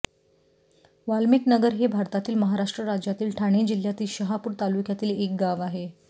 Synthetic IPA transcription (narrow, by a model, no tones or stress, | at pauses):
ʋalmiknəɡəɾɦebʱaɾt̪at̪iːlməɦaɾaʂʈɾəɾad͡ʑjat̪iːlʈʰaɽ̃ed͡ʑil̤ːjat̪iːlɕəɦapuːɾt̪alukjat̪iːlek̚ɡaʋaɦe